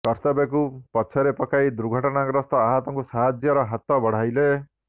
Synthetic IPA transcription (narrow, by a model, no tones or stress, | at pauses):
kɔɾt̪ɔbekupɔt͡ʃʰɔɾepɔkʰajd̪uɾɡʱɔʈɔnaɡɾɔst̪ɔaɦat̪ɔŋkusaɦad͡ʒjɔɾɔɦat̪ɔbɔɽ̤ajle